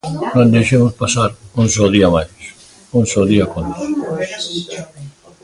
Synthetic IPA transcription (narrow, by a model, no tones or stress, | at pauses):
nõnd̪ejʃemʊspasaɾuns̬ɔðiamajs | unsɔðiakont̪ḁs